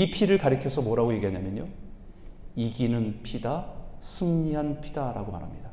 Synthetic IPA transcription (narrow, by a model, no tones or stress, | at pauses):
ipʰiɾɯɭkaɾɯkʰjʌsʰʌmwʌɾaɡoje̞ɡiɦaɲamjʌɲo | iɡinɯnpʰidasʰɯŋɲiɦanpʰidaɾa̰ɡoma̰ɾɦamɲida